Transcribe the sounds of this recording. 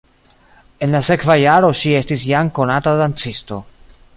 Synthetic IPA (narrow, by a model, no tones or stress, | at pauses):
e̞nlase̞kvajaɾo̞ʃie̞stisjaŋko̞natadant͡sisto̞